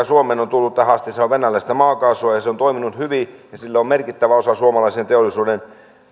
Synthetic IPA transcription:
æsuomeːnont̪ulːut̪t̪æhɑst̪iseoʋʋenælːæist̪æmɑːkɑːsoɑjɑseont̪oiminut̪hyʋijɑsilːæommerkit̪ːæʋæosɑsuomɑlɑisent̪eolːˑisuːden

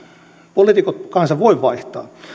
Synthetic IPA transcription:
polit̪ikot̪kɑnsɑʋʋoiʋʋɑiht̪ɑ̰ː

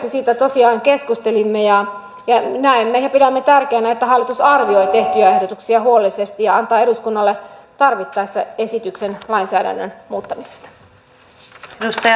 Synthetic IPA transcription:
esiːt̪æt̪o̞siɑːŋkeskust̪elimːejɑ | jɑnæemːejɑpiɾæmːet̪ærkeænæet̪ːæɦɑlːit̪usɑrʋio̞jt̪e̞ht̪yæe̞hdot̪uksiɑhuolisest̪ijɑɑnt̪ɑːe̞ɾuskunːɑlːet̪ɑrʋit̪ːɑsːæe̞sit̪yksenlɑinsæːdæ̰nːønmuːt̪ːɑmise̥st̪ɑ̥ | eust̪ɑ

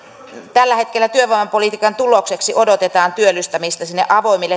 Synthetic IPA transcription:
t̪ælːæhet̪kelːæt̪yøʋoimɑmpolit̪iːkɑnt̪ulokseksiʔodot̪et̪ɑːnt̪yølːyst̪ɑmist̪ɑsinːeʔɑʋoimilːe

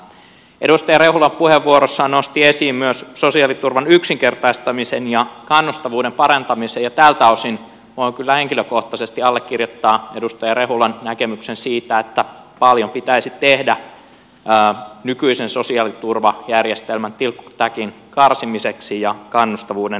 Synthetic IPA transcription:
ḛɾust̪ɑjɑrehulɑmpuheʋːuoɾosːɑːnnost̪iesiːmmyøssosiɑːlit̪urʋɑnyksiŋkert̪ɑist̪ɑmisenjɑkɑnːust̪ɑʋuːdempɑɾɑnt̪ɑmisejɑt̪æːlt̪æosin | ʋoiŋkylːæheŋkiløkoht̪ɑsest̪iɑlːekːirjot̪ːɑːedust̪ɑjɑrehulɑnnækemyksensiːt̪æet̪ːæ | pɑljompit̪æisit̪ehdæː | nykyisenso̞siɑːlit̪urʋɑjærjest̪elmænt̪ilkːu̥t̪ækin | kɑrsimiseksijɑkɑnːust̪ɑʋuːden

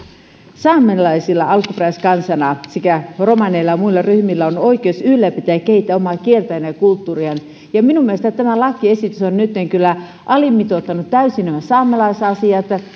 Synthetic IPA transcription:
sɑːmːelɑisilːɑɑlkupræiskɑnsɑnɑsikæromɑneilːɑmuilːɑryhmilːæonoikˑeusylːæpit̪æækːehit̪ːæomɑˑkielt̪æjænɑjɑkult̪ːuːriɑn | jɑminumielest̪æt̪æmælɑkːˑiesit̪ysonnyt̪ːeŋkylːæ | ʔɑlimːit̪ot̪ːɑnut̪t̪ːæysinæmæsɑːmːelɑisɑsiɑt̪

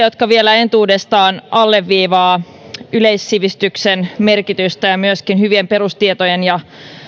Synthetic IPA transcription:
jo̞t̪kɑʋielæe̞nt̪uːdest̪ɑːnɑlːe̞ʋːiːʋɑː | yleisːiʋist̪yksenme̞rkit̪yst̪æjɑmyøskinhyʋiempe̞ɾust̪iet̪ojenjɑ

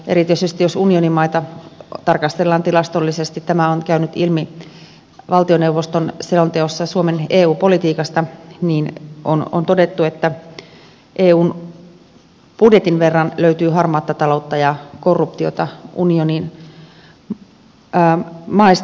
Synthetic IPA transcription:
ʔḛɾit̪ysest̪ijosunionimːɑit̪ɑt̪ɑrkɑst̪elːɑːnt̪ilɑst̪olːisest̪it̪t̪æmæonkæynyt̪ilmi | ʋɑlt̪ionewʋːost̪onselont̪eosːɑsuomeneːuːpo̞lit̪iːkɑst̪ɑniːnʔono̰nt̪odet̪ːuet̪ːæ | ʔeːuːn | pudjet̪inʋerːɑnløyt̪yːɦɑrmɑːt̪ːɑt̪ɑlot̪ːɑjɑkorːup̚t̪iot̪ɑʔunionin | mɑist̪

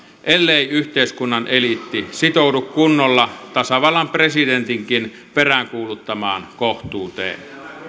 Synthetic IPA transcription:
ʔelːeˑiyht̪eˑiskunːɑnʔelit̪ːisit̪oˑudukkunːolːɑt̪ɑsɑʋɑlːɑmpresident̪iŋkin | peræŋkuːlut̪ːɑmɑ̰ːnkoht̪ˑuːt̪ḛːn

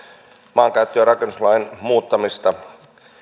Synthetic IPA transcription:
mɑːŋkæyt̪ːøːɾɑkenːuslɑinmuːt̪ːɑmist̪ɑ

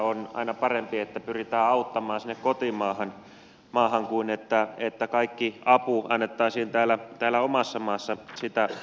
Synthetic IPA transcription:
onɑ̰inɑpɑrempiet̪ːæpyrit̪æːɑut̪ːɑmɑːnsinːekkot̪imɑːhɑn | mɑːhɑŋkuinet̪ːæet̪ːækɑikːiɑpuɑnːet̪ːɑisiːnt̪æːlæt̪æːlæomɑsːɑmɑːsːɑsit̪æ

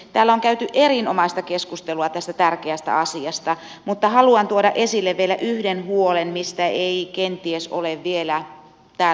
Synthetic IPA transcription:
t̪æːlːæoŋkæyt̪yʔerinomɑist̪ɑkeskust̪eluɑt̪æst̪æt̪ærkeæst̪æ̰ɑsiɑst̪ɑ | mut̪ːɑhɑluɑnt̪uodɑʔesilːeʋʋielæʔyhdenhuolenmist̪æeikent̪ieso̰leʋːielæ | t̪æː

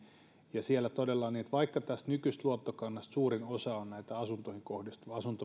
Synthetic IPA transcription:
jɑsielːæt̪odelːɑniet̪ʋɑikːɑt̪æst̪nykyst̪luot̪ːokɑnːɑst̪suːrinosɑonnæit̪æɑsunt̪ohiŋkohdist̪ɑsunt̪o

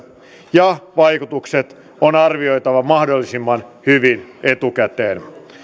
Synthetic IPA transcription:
jɑʋɑjkut̪ukset̪ | onɑrʋio̞jt̪ɑʋɑmɑhdo̞lːisimːɑnhyʋine̞t̪ukæt̪eːn

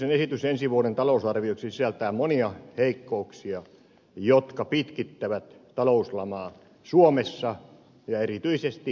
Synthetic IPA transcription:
senesit̪ysensiʋuoɾent̪ɑlousɑrʋioksisiælt̪æːmoniɑheikːouksiɑ | jot̪kɑpit̪kit̪ːæʋæt̪t̪ɑlouslɑmɑː | suomesːɑ | jɑerit̪yisest̪i

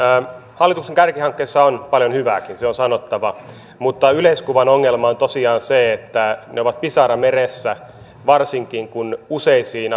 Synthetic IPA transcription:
hɑlːit̪ukseŋkærkihɑŋkːeisːɑonpɑljonhyʋæːkinseonsɑnot̪ːɑʋɑ | mut̪ːɑyleiskuʋɑnoŋːelmɑont̪osiɑːnseet̪ːæneoʋɑt̪̚pisɑrɑmeresːæ | ʋɑrsiŋkiŋkunuseisiːn

